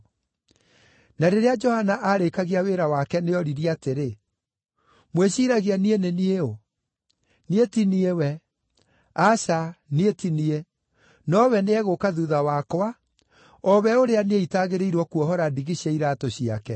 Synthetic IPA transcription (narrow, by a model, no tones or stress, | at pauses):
naɾeɾead͡ʒɔhanaʔaɾekaɣiaweːɾawakɛneɔɾiɾiateɾe | mweɕiɾaɣianienenieo | nietiniewɛ | aʃanietinie | nɔwɛneɛɣokaðuðawakwa | ɔβɛoɾeaneeitaːɣeɾeiɾwɔkuɔɦɔɾadiɣiɕeiɾatoɕiakɛ